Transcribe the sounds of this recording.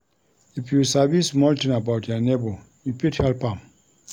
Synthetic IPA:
ifjusavismɔltĩnabawtʰjɔnebo | jupithɛlpãm

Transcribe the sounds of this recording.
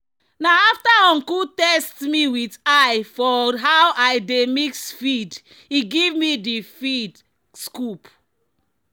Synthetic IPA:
naaftaɔ̃ŋkutɛstmiwitajfɔɦawʔajdemiksfid | iɡivmidifid | skup

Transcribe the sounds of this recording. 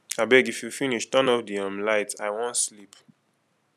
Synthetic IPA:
abɛɡifjufiniʃtʌ̃nɔpdiʌmlaɪtaɪwɔ̃ntslip

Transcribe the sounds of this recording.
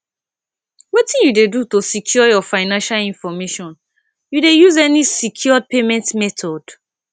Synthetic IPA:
wetĩnjudedutosikʰjɔjɔfaɪnãnʃalĩnfɔmeʃɔ̃n | judejuzɛnisikʰjɔd̚pemɛ̃ntmɛtʰɔd̥

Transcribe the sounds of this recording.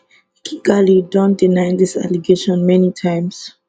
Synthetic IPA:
kʰiɡalidɔ̃ndinãɪndisa̰liɡeʃɔ̃nmɛnitʰãɪ̃ms

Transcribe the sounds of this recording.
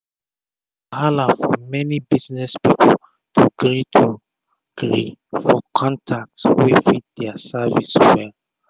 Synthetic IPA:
kʰalafɔmɛnibisnɛspipʰɔl | tʰuɡɹitʰu | ɡ̥ɹifɔkʰɔ̃ntʰak̚tswiθit̚dɛəsavḭswɛ

